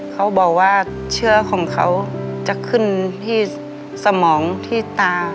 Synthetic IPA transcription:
kʰa˧˥wbɔː˨˩k̚waː˧˩ | t͡ɕʰɯ˥˧˥ɐkʰɔː˨˩˦ŋkʰa˧˥wt͡ɕa˧˦kʰɯ˧˥˨nt̪ʰiː˧˥˩ | sa˧˦mɔː˩˦ŋt̪ʰiː˧˩t̪aː˧

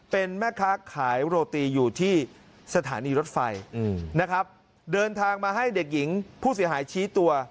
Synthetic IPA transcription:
pe˧nmɛː˥˩kʰaː˦˥kʰaː˩˦jɾoː˧t̪iː˧juː˨˩t̪ʰiː˥˩ | sa˧t̪ʰaː˩˦niː˧ɾo˦˥t̪̚fa˧jna˦˥kʰɾa˦˥p̚ | dɤː˧nt̪ʰaː˧ŋmaː˧ɦa˥˩jde˨˩k̚ji˩˦ŋpʰuː˥˩s̬i˩˦ɦaː˩˦jt͡ɕʰiː˦˥t̪u˧ɐ

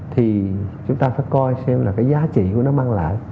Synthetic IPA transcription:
t̪ʰi˨˩t͡ɕʊ˨˦ŋ͡mt̪aː˧faː˧˩jkɔ˧jsɛ˧mlaː˨˩kaː˨˦jzaː˨˦t͡ɕḭ˧˨ku˧˩ənɔ˨˦maː˧ŋla̰ː˧˨j

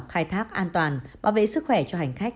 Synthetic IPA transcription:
p̚xaː˧jt̪ʰaː˦˥k̚ʔaː˧nt̪waː˨˩nɓa̰ː˧˩wvḛ˧˨sɨ˦˥k̚xwɛ˧˩t͡ɕɔ˧ɦa˨˩jŋ̟xa˦˥k̟̚

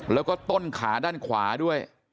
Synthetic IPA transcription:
lɛː˦˥wkɔː˥˩t̪o˥˩nkʰaː˩˦daː˥˩nkʰwa̰ː˩˦du˥˩əj

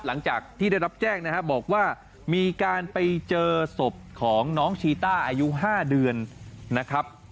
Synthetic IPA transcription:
la˩˦ŋt͡ɕaː˨˩k̚t̪ʰiː˥˩a˥˩jɾa˦˥p̚t͡ɕɛː˥˩ŋna˦˥kʰa˦˥bɔː˨˩k̚waː˥˩ | miː˧kaː˧npa˧jt͡ɕɤː˧so˨˩p̚kʰɔː˩˦ŋnɔː˦˥ŋt͡ɕʰiː˧t̪aː˥˩ʔaː˧ju˦˥ɦaː˥˩dɯ˧ənːa˦˥kʰɾa˦˥p̚

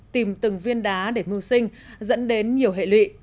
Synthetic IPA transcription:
t̪i˨˩mt̪ɨ˨˩ŋvi˧ənɗaː˨˦ɗe˧˩mɨ˧əwsï˧ŋ̟zə̰˧˥nɗe˨˦nɲi˨˩əwɦḛ˧˨lwḭ˧˨

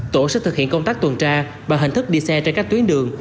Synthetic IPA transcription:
t̪o˧˩sɛ̰˧˥t̪ɨ˨˩hḭ˧˨əŋkə˧wŋ͡mt̪aː˦˥k̚t̪wə˨˩nt͡ɕaː˧ | vaː˨˩ɦï˨˩ŋ̟t̪ɨ˦˥k̚ɗi˧sɛ˧t͡ɕka˦˥k̚t̪wi˨˦nɗɨ˨˩əŋ

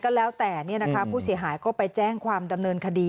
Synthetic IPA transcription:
kɔ˥˩lɛː˦˥wt̪ɛː˨˩ni˥˩ɐna˦˥kʰa˦˥pʰuː˥˩si˩˦ɦaː˩˦jkɔː˥˩pa˧jt͡ɕɛː˥˩ŋkʰwaː˧mda˧mnɤː˧nkʰa˧diː˧

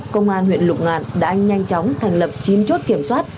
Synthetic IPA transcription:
kə˧wŋ͡mʔaː˧nhwḭ˧˨ənlʊ˨˩k͡p̚ŋa̰ː˧˨˩n̚ɗa̰ː˧˥ɲa˧jŋ̟t͡ɕɔ˨˦wŋ͡mt̪ʰɛ˨˩jŋ̟lə˨˩p̚t͡ɕi˨˧nt͡ɕo˦˥t̚ki˧˩əmswaː˦˥t̚

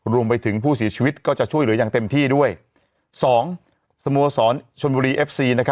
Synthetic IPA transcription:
ɾu˧əmpa˧jt̪ʰɯ˩˦ŋpʰuː˥˩si˨˩˦t͡ɕʰiː˧wi˦˥t̪̚kɔː˥˩t͡ɕa˨˩t͡ɕʰu˥˩jlɯ˩˦jaː˨˩ŋt̪e˧mt̪ʰiː˥˩du˥˩əj | sɔː˩˦ŋ | sa˧mu˧ɐsɔː˩˦nt͡ɕʰo˧nbuː˧ɾiː˧ʔe˦˥p̚siː˧na˦˥kʰa˦

